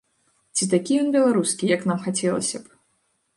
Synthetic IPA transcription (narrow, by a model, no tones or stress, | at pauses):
t͡sʲit̪akʲijɔnbʲɛlˠaɾuskʲijɐkn̪amxat͡sʲɛlˠɐ̰sʲɐp